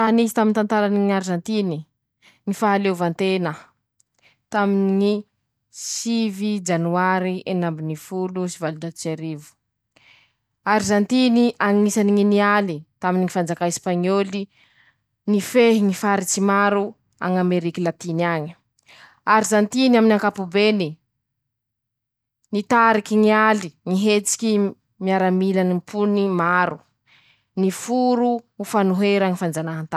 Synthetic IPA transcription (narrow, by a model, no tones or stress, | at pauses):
aɦnizit̪amint̪ant̪aɾaniŋaɾizant̪ini | ŋifaɦalevant̪enə | t̪aminiŋi | sivid͡ʒanuaɾiʔenambinifulusivalud̪at̪t͡ʃaɾivu̥ | aɾizant̪iniʔaŋisaniŋinialit̪aminiŋifand͡zakaispaɲoli | nifeɦiŋifaɾit͡simaɾu | a̰ŋameɾikilat̪iniaɲ̥ | aɾizant̪inaminaŋkapubeni | nit̪aɾikiŋialiŋiɦet͡si̥kʲi | miaɾamilanimpʰunimaɾu | nifuɾuːfanuɦeɾaŋifand͡zanaɦant̪a